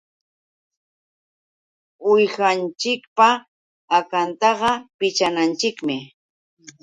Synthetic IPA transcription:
ʊjɢant͡ʃɪkpaː | kant̪ɑɢɑpɪt͡ʃanant͡ʃɪkmɪ

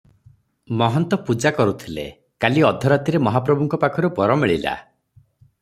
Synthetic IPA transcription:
mɔɦɔnt̪ɔpud͡ʒakɔɾut̪ʰilḛ | kaliɔd̪ʱɔɾat̪iɾemɔɦapɾɔbuŋkɔpakʰɔɾupɔɾɔmiɭila̰

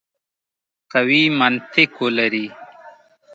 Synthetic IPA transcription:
qɐwiːmɐnt̪ʰikolɐɾi

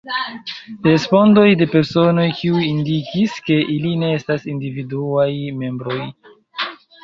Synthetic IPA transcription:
ɾe̞spo̞ndo̞jde̞pe̞ɾso̞no̞jkiujindikiske̞ʔiline̞estasindividuajme̞mbɾo̞j

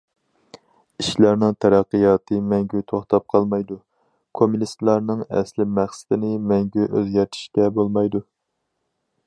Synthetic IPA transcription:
iʃlæɾnɨŋt̪ʰæɾæqːəjɑːt̪ʰɨmɛŋɡʲyt̪ʰoχt̪ʰɑp̚qʰɑlˠmɑjd̪u | kʰomunist̪lˠɑɾnɨŋæ̰slɪmæχsɪ̥d̪ɪnɪmɛŋɡʲyʔøzɡʲɛɾt̪ʰi̥ʃkʲɛbolˠmɑjd̪u

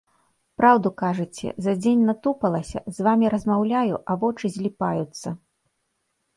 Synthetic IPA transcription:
pɾʔawd̪ukaʐɨt͡sʲɛ̰zɐd͡zʲenʲnat̪upɐlˠɐsʲɐ̰zvamʲiɾɐzmawlʲajuʔɐvɔt͡ʂɨzʲlʲipajut̪sːɐ

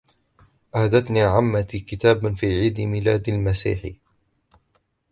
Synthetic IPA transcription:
ʔahd̪at̪niːʕamːat̪ikɪt̪aːbfiːʕiːd̪mɪlaːd̪almasḭːħḭ

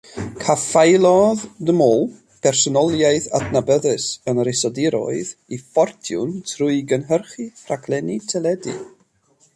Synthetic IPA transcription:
kʰafajlˠɔðdəmɔlˠ | pʰɛrsɔnɔlˠjaɨθa̰dnabəðɨsənɾɪsɔdɪɾɔ̰ɨðifɔrtʰjʊ̰ntʰrʊɨɡənɦərχirakʰlˠɛnitʰɛlˠɛdḭ

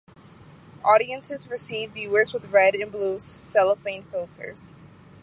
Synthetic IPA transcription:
ʔɔɾiɨ̃nsɨzɹɨsivvjʉə˞zwəðɹɛɾɨ̃nblussɛlˠəfẽɪ̃nfɪlˠtʰə̰˞z̥

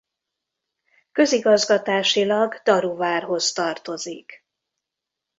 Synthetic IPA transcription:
kø̞ziɡɒzɡɒt̪aːʃilɒɡd̪ɒɾuvaːrɦo̞st̪ɒrt̪o̞zik

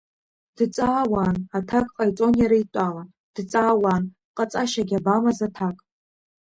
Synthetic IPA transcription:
d̥t͡sʼaːwaːnatʰakʼqʼajt͡sʼo̞njaɾajtʷʼala | d̥t͡sʼaːwan | qʼat͡sʼaʃaɡʲabamazatʰakʼ

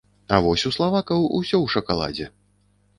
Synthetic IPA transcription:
ɐvɔsʲuslˠavakɐwṵsʲɔwʂɐkalˠa̰d͡zʲɛ

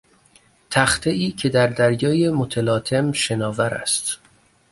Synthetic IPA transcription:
t̪ʰæxt̪ʰeiːcʰe̞d̪æɾd̪æɾjɒːje̞mot̪ʰelɒːt̪ʰe̞mʃe̞nɒːvæɾæ̰st̪

